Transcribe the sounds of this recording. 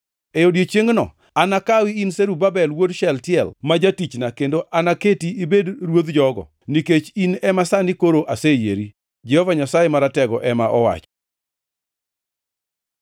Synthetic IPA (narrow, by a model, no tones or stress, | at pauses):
ejodjet͡ʃeŋnɔ̰ | anakawiinseɾubabɛlwodʃɛltɪjɛlmad͡ʒatit͡ʃnakendoʔanaketiibedɾwod̪d͡ʒɔɡɔ̰ | niket͡ʃinɛmasanɪkoɾoʔasejḛɾi | d͡ʒɛhɔvaɲasajemaɾatɛɡɔʔɛmaʔɔwa̰t͡ʃ